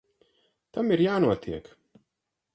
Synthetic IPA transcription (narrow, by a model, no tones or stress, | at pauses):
t̪amiɾjaːnuɔt̪iɛk